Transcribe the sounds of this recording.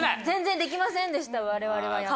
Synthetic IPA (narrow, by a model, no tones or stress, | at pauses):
zẽ̞nd͡zẽ̞nd̪e̞k̬ʲimasẽ̞nd̪e̞ɕi̥t̪aβaɾe̞βaɾe̞βa